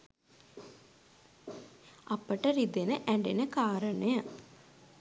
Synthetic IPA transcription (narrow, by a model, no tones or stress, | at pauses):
apəʈəɾid̪enəʔæɳɖenəkaːɾənəjə